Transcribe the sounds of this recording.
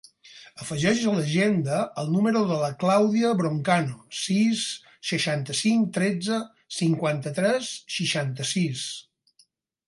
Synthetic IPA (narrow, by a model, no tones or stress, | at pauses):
əfəʒɛʃzələʒend̪əːlˠnuməɾuðələklawðiəβɾoŋkanosisː | əʃant̪əsiŋkt̪ɾɛd͡zə | siŋkwant̪ət̪ɾɛsʃiʃant̪əsis